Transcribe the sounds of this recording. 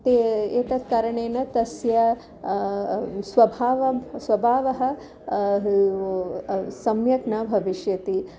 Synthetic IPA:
t̪eeːt̪ɐt̪̚kaːɾɐɳeːnɐt̪ɐsjɐ | sʋɐbʱaːʋɐsʋɐbʱaːʋɐɦɐ̆ | sɐmjɐknɐbʱɐʋiʃjɐt̪i

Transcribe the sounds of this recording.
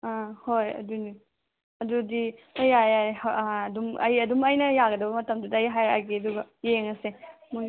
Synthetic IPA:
ahojɐ̰duni | ɐdudiɐjajadumɐ̰jɐdumɐjnɐjaɡɐdɐbɐmɐtɐmdudɐjɦajɾa̰ɡiɐduɡɐjeŋɐsemu

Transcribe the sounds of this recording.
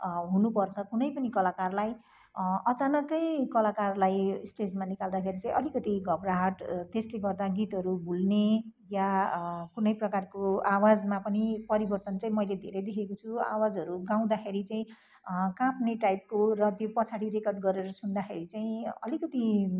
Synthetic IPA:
ɦunupʌrt͡sʰʌkunʌjpʌnikʌlakarlaj | ʌt͡sanʌkʌjkʌlakarlajsʈed͡zmanikald̪akʰeɾit͡saĩʔʌlikʌt̪iɡʱʌbraɦʌʈt̪esleɡʌrd̪aɡit̪ɦʌɾubʱulnejakunʌjprʌkarkoawad͡zmapʌnipʌɾibʌrt̪ʌnt͡saĩmʌjled̪ʱḛɾʌjd̪ekʰekot͡sʰua̰wad͡zɦʌɾuɡaw̃d̪akʰeɾit͡saĩ | kãpʰneʈajp̚korʌt̪jopʌt͡sʰaɽiɾekʌrɖɡʌɾeɾʌsund̪axʰeɾit͡saĩʌ̰likʌt̪i

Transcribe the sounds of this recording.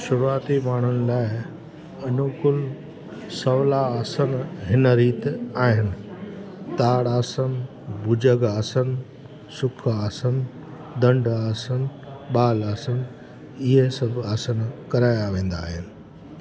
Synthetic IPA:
ʃʊɾuaːt̪imaːɳ̤ʊnɪ̆laːɪ | ɐnʊkʊl | sɐʋlaːsənɦɪnəɾiːt̪aːɦɪnɪ̆ | t̪aːɽaːsən | bʊd͡ʑəɡaːsən | sʊkʰaːsən | d̪ɐ̃ɳɖaːsən | ɓaːlaːsən | ɪɦesɐbʱaːsənkɐɾaːjaʋẽːn̆d̪a̰ːɦɪnɪ̆

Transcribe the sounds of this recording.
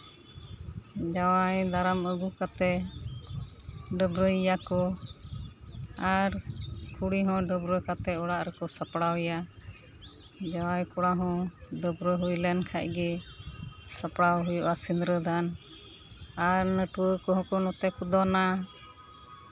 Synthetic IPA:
d͡ʒawajd̪aɾaməɡukat̪ɛ | ɖəbɾəjijakɔ | aɾkʰuɽiɦɔ̃ɖəbɾəkat̪ɛɔɽaʔɾɛkɔsapɽawɛja | d͡ʒawajkɔɽaɦɔ̃ɖəbɾəɦujlɛnkʰaʔ̚ɡɛ | sapɽawɦujɔʔasinɾəd̪ʱan | aɾnəʈuəkɔɦɔ̃kɔnɔt̪ɛkud̪ɔna

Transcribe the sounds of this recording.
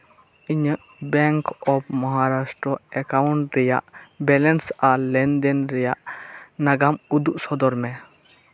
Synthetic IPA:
iɲəʔ | bɛŋkɔbmɔɦaɾasʈɾɔɛkawɳʈɾɛja̰ʔbɛlɛnsalɛnd̪ɛnɾɛjaʔnaɡamud̪uʔsɔd̪ɔɾmɛ

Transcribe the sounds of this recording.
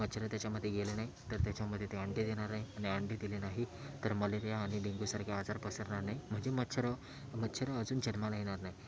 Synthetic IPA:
mət̪ːt͡ɕʰəɾət̪jat͡ɕjaməd̪ʱːjeɡelenaɦit̪əɾt̪jat͡ɕjaməd̪ʱːjet̪eəɳɖed̪eɽ̃aɾnaɦianiəɳɖed̪ilenaɦit̪əɾməleɾijaːɽ̃iɖiŋɡusaɾkʰead͡zaɾpəsəɾɳaɾnaɦim̤əɳd͡ʑemət͡ɕʰəɾə | mət̪ːɕʰəɾəəd͡zuːnd͡ʑənmalaiɽ̃aɾnaɦi

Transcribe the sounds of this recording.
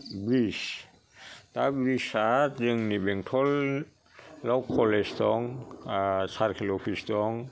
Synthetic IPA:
bɾis | tabɾisatzɯŋnibɛŋtʰɔlː | awkʰɔlɛstɔŋ | saɾkʰilɔpʰistɔŋ

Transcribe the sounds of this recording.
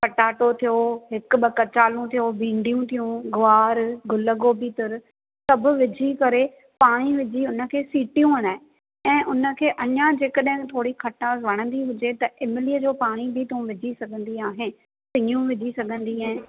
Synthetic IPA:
pɐʈaːʈot̪ʰijoɦɪkɓɐkɐt͡ɕaːlũt̪ʰijobʱĩːɳɖijũt̪ʰijũɡʊaːɾɡʊləɡoːbit̪ɪɾ | sɐbʱʊ̆ʋɪd͡ʑʱikɐɾe | paːɽ̃iʋɪd͡ʑʱiʊnə̆kʰeːsiːʈijũʋɐnaːɦe | ɛ̃ːʔʊnə̆kʰeːʔɐɲãd͡ʑeːkəɗɐ̃ɦɪ̃nt̪ʰoːɽikʰɐʈaːzʋɐɽ̃ə̃nd̪iɦʊd͡ʑet̪ɐʔɪmɪliːəd͡ʑoːpaːɽ̃ibʱɪt̪ɐũʋɪd͡ʑʱisɐɡʱə̃nd̪iaːɦen | sɪ̃ɲũʋɪd͡ʑʱisɐɡʱə̃nd̪iaːɦɪ̃

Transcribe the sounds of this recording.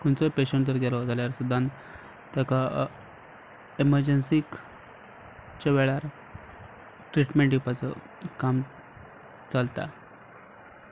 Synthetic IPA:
kuɳt͡sɔpeɕəɳʈd̪əɾɡʱelɔd͡zaljaɾsud̪ʱan | t̪aka | eməɾd͡ʑensik | t͡ɕeʋeɭaɾ | ʈɾiʈmẽɳʈjipat͡sɔ̰ | kam | t͡salt̪a̰

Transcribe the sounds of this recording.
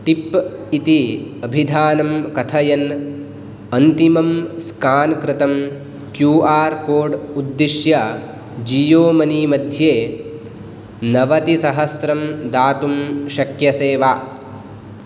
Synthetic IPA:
ʈipit̪iɐbʱid̪ʱaːnɐmkɐt̪ʰɐjɐn | ɐnt̪imɐmskaːnkɾɪt̪ɐm | kjuːʔaːɾkoːɾɖud̪ːiʃjɐ | d͡ʒijoːmɐniːmɐd̪ʱjeː | nɐʋɐt̪isɐɦɐsɾɐmd̪aːt̪umʃɐkjɐseːʋaː

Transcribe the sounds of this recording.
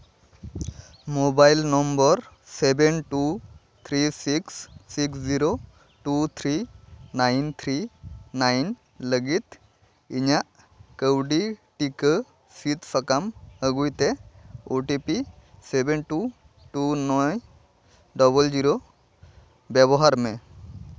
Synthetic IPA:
mobajlnɔmbɔɾ | sebenʈu | t̪ʰɾisiksːiksziɾo | ʈut̪ʰɾinajnt̪ʰɾinajn | ləɡit̪ | iɲaʔ | kəwɖiʈikə | sit̪sakaməɡujt̪ɛoʈipisebenʈu | ʈunɔj | ɖɔbəld͡ʒiɾo | bɛbɔɦaɾmɛ

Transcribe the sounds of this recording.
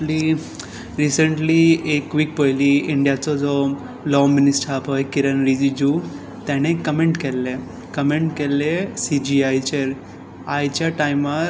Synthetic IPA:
li | ɾisəɳʈliekʋik̚pəjliɪɳɖijat͡sod͡ʒo | lɔminisʈapɔjkiɾənɾid͡ʒid͡ʒu | t̪ɛ̃nekːəmẽɳʈkele | kəmẽɳʈkelesid͡ʒiajt͡ʃeɾ | ajt͡ʃaʈaima

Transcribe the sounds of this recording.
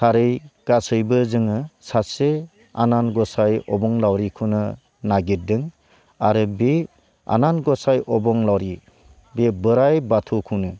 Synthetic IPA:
sʰaɾɯjɡ̥asɯjbɯzɯŋɯsase | a̰nanɡɔsajɔbɔŋlawɾikʰunɯ | naɡit̚dɯŋ | aɾɯbe | a̰nanɡɔsajʔɔbɔŋlawɾi | bebɯɾajbatʰukʰunɯ

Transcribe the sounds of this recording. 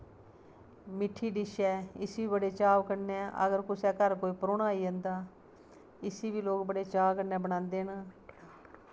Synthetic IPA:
mɪʈʰːiːɖɪʃɛːɪsiːbiːbəɽeːt͡ʃaːʋkəɾnɛːə̰ɡəɾkʊsɛːkəɾkoːiːpəɾoːɳaːiːə̃nd̪aː | ɪsiːbiːloːkbəɽeːt͡ʃaːʋkəɾnɛ̃ːbəɽãːnd̪eːɦnaː

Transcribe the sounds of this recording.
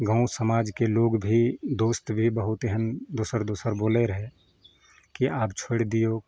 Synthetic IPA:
ɡʱə̃ʊ̃səmaːd͡ʒkeloːɡbʱid̪oːst̪bʱibəɦʊt̪eɦənd̪oːsəɾd̪oːsəɾboːleɾəɦe | kiʔaːpt͡ʃʰoɽd̪ijoː

